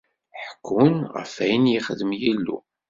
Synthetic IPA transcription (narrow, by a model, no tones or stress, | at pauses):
ħə̥kːʊnʁə̰fæjənjiχəðəmjilːṵ